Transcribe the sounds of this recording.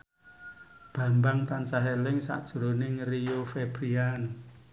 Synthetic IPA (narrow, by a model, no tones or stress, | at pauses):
b̥ä̤mbaŋt̪ansaɦelɪŋsa̰ʔd̥ʒ̥uɾonɪŋriofeb̥ɾian